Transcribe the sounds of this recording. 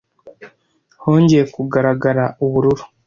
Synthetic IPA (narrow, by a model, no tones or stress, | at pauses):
ho̞ːɲɟe̞jekuɡaɾaɡaɾauβuɾuɾu̥